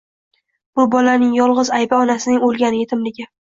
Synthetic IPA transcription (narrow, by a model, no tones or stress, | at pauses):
b̥ʊbɒlanɪŋjɒlˠʁɨzajbaɒnasɪnɪŋolˠɡʲanɪet̪ʰɪmlɪɡʲɪ